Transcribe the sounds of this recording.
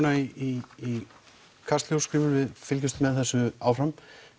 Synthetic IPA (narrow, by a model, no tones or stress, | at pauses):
naiii | kʰast̪ljowskɾiːvʏɾvɪðfɪlcʏst̪mɛðθɛsːʏaːwfɾam